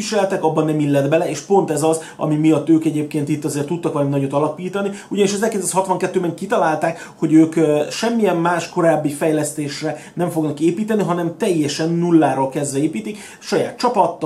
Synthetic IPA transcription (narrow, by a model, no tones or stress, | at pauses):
iʃɛlɛt̪ɛkɒbːɒnːɛmilːɛd̪bɛlɛeːʃpo̞nt̪ɛzɒz | ɒ̰mimijɒt̪ːøːkɛɟeːp̚keːnt̪it̪ːɒzeːrt̪ːut̪ːɒkʋɛlnminɒɟot̪ɒlɒpiːt̪ɒniuɟɒniʃɒzɛlkeːt̪ɛshɒt̪ʋɒŋkɛt̪ːøːbɛŋkit̪ɒlaːlt̪aːk | ho̞ɟøːkʃɛmːijɛmmaːʃko̞ɾaːbːifɛjlɛst̪eːʃrɛnɛɱfoɡnɒkeːpiːt̪ɛniɦɒnɛmt̪ɛjːɛʃɛnːulːaːɾolkɛzʋɛeːpiːt̪ik | ʃɒja̰ːt̪̚t͡ʃɒpɒt̪ː